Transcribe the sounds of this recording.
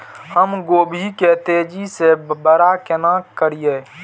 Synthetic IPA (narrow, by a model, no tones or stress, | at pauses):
həmɡoːbʱiket̪ed͡ʒisebəɾakenakəɾijeː